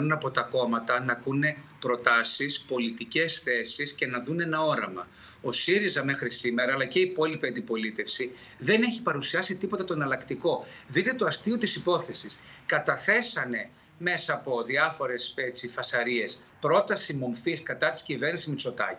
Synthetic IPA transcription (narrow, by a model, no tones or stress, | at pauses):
nunɐpo̞t̪ɐko̞mɐt̪ɐnɐkune̞pɾo̞t̪ɐsispo̞lit̪ice̞sθe̞sisce̞nɐðunenɐo̞ɾɐmɐ̰ | o̞siɾizɐme̞xɾisime̞ɾɐːlɐce̞ipo̞lipiɐnd̪ipo̞lit̪e̞fsi | ðe̞ne̞çi̥pɐɾusiɐsit̪ipo̞t̪et̪o̞enɐlɐkt̪iko̞ðit̪e̞t̪o̞ɐst̪iot̪isipo̞θe̞siskɐt̪ɐθe̞sɐne̞ | me̞sɐːpo̞ðiɐfo̞ɾe̞set͡sifɐsɐɾie̞s | pɾo̞t̪ɐsimo̞mfiskɐt̪ɐt̪i̥scive̞ɾnisizmeso̞t̪ɐ̰ci